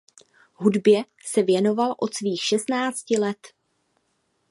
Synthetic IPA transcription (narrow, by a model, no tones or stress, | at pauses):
ɦudbjɛ | sɛvjɛno̞valʔo̞t̪sviːxʃɛst̪naːt͡scɪlɛt̪